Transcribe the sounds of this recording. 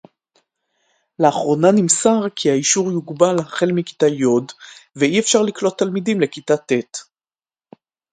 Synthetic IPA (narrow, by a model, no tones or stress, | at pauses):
leaχʁo̞nanimsaʁkʰiaiʃuʁjuɡbalhaχe̞lmiki̥tajo̞dveiefʃaʁliklo̞t̪ːalmidimlekitat̪et